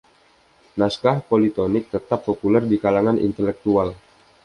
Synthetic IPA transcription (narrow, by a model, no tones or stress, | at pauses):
naskahpolit̪onɪk̚t̪ət̪apːopulɛrdikalaŋanʔḭnt̪ɛlɛk̚t̪ual